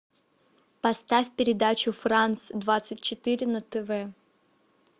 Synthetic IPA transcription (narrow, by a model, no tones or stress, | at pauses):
pɐst̪afʲpʲɪɾʲɪd̪at͡ɕʊfrant̪sd̪vat̪sɨt̚ʲt͡ɕɪt̪ɨɾʲɪnət̪ɛvɛ